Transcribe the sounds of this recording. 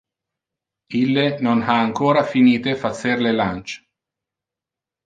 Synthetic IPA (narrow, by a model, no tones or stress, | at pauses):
ilːenonaːŋkoːɾafiniːt̪efat̪sːerlelant͡ʃ